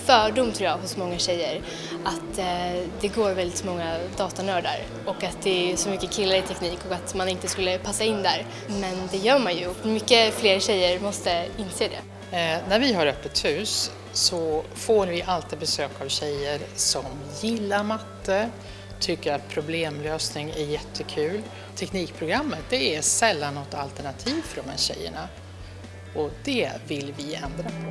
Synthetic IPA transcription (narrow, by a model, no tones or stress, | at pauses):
fœːɖʊmt̪ʰɾuːjɑːɡɦʊsmɔŋːaɕɛjːəɾ | ʔat̪d̪ɛɡoːɾvɛld̪ɪt̪sɔmɔŋːad̪ɑːt̪anœːɖa̰ɾ | ɔkat̪̚d̪ɛæsɔmʏkːəkʰɪlːaɾɪt̪ʰɛkniːkɔkat̪manɪnt̪əskɵlːəpʰasːaɪnːd̪æɾ | mɛnd̪ɛjœːɾmanjɵmʏkːəfleːɾɕɛjːəɾmɔst̪əɪnseːd̪ɛ̰ː | næɾvɪɦaɾœpːət̪hʉ̟ːs | sɔfoːɾvɪʔalt̪ɪd̪bɛsøːkavɕɛjəɾsɔm | jɪlːaɾmat̪ːə | t̪ʰʏkːəɾat̪̚pʰɾʊbleːmløːsnɪŋæɾjɛt̪ʰːəkʰʉ̟ːl | t̪ʰːɛkniːk̚pʰɾʊɡɾamːət̪̚d̪ɛæɾsɛlːanːɔt̪ːalt̪əɳat̪ʰiːvfœɖɔmhæ̰ːɾɕɛ̰jːə̰ɳa | ɔd̪ɛvɪlvɪɛ̰nd̪ɾa